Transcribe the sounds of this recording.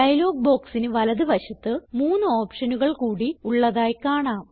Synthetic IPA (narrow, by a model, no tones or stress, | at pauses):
ɖɐjɐlo̞ːɡ̚bo̞ːksinɨʋɐlɐðɨʋɐɕɐt̪ːɨmuːnːɨoːpʂɐnuɣɐɭkuːɽiuɭːɐðaːjkaːɳaːm